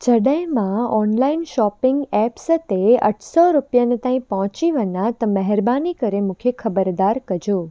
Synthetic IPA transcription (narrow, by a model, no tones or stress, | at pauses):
d͡ʒəɖəjmãɔnlainʃɔpɪŋɡɛpst̪eə̰ʈʰsɔɾupjanet̪ãĩpɔɦɔ̃t͡ʃiʋənat̪əməɦɛɾbanikəɾemʊkʰekʰəbəɾd̪aɾkəd͡ʒoː